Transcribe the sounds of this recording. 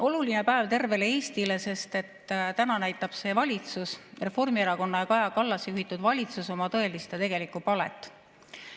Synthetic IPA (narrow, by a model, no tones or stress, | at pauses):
o̞luline̞pæevt̪e̞rve̞le̞e̞ːst̪ile̞se̞st̪e̞t̪ːt̪ænɑnæjt̪ːˑɑb̥se̞ːvɑlʲit̪susre̞fo̞rmieɾɑko̞nːɑjɑkɑjɑkɑlːɑsjuɦit̪ːˑud̪̥vɑlʲit̪suso̞mɑt̪ɤ̞e̞list̪e̞t̪e̞ɡ̥e̞likːˑupɑle̞̰t̪ˑː